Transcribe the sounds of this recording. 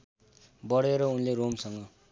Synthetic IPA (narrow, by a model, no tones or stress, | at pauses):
bʌɽeɾʌunleromsʌŋɡʌ